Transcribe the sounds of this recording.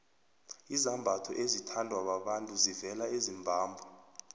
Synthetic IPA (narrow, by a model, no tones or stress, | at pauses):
izambʱatʰɔ̰ʔezitʰandʱwaɓaɓantʼuzivɛlaezimbʱaːmbʱɔ